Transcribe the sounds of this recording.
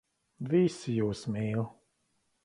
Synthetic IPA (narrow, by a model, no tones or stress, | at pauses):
visijuːsmiːlˠ